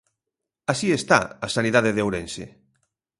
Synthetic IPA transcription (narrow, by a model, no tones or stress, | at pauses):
asiest̪a̰asaniðaðeðewɾẽnsḛ